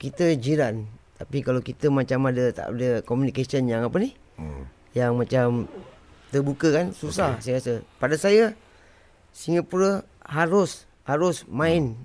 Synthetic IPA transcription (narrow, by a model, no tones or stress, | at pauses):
kit̪əd͡ʒiɾant̪apikalawkit̪əmat͡ʃamadət̪a̰ʔudəkomunikesənjaŋapəni | jaŋmat͡ʃamt̪əbukəkansusahsajəasəpadasajə | siŋəpuɾə | haɾʊs | haɾʊsmaɪn